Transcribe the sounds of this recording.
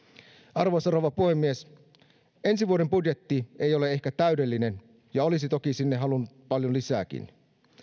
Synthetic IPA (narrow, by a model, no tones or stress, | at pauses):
ɑrʋoseɾoʋɑpuhemːies | e̞nsiʋuoɾempudjet̪ːiejolee̞hkæt̪æydelːinen | jɑolisit̪okisinːeɦɑlunːut̪̚pɑljonlisæːk̟ḭn